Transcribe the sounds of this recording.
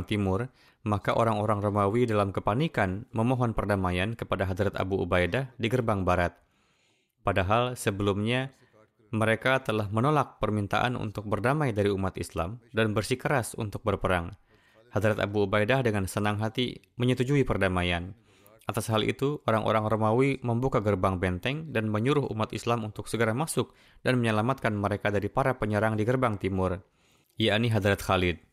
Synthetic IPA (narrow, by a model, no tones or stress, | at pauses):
ŋt̪imʊr | makaʔoɾaŋoɾaŋromawidalamkəpanikanməmoɦɔnpərdamajankəpadaɦad̪ɾat̪a̰buṵbajdahdiɡərbaŋbaɾat̪̚ | padaɦalsəbəlumɲa | məɾekat̪əlahmənolak̚pərmint̪a̰ʔa̰nṵnt̪ʊk̚bərdamajdaɾiumat̪isla̰mdanbərsikəɾasṵnt̪ʊk̚bərpəɾaŋ | had̪ɾat̪a̰buobajdahdəŋansənaŋɦat̪ḭ | məɲət̪ud͡ʒuipərdamajan | ʔat̪asɦalʔḭt̪uoɾaŋʔo̰ɾaŋromawiməmbukaɡərbaŋbɛnt̪ɛŋdanməɲuɾʊhṵmat̪ḭslamunt̪ʊksəɡəɾamasʊk̚ | danməɲəlamat̪̚kanməɾekadaɾipaɾapəɲəɾaŋdiɡərbaŋt̪imʊr | jaʔniɦad̪ɾat̪xalɪd̚